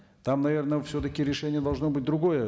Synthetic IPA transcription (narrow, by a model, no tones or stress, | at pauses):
t̪amnɐvʲe̞rnəfsʲɵt̪̬əkʲɪɾʲɪʂɛnʲɪjəd̪ɐlˠʐno̞bɨt̚ʲd̪ɾʊɡo̞jə